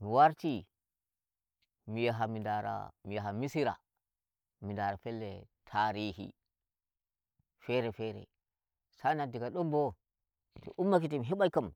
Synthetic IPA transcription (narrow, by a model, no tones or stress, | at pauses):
miwaɾti | mijaɦamindaɾa̰mijaɦamisiɾa̰ | mindaɾafelːḛtʰaɾihḭ | feɾefeɾḛ | sanadiɡaɗombo | tḭʔumːak̬itimiɦiɓajkam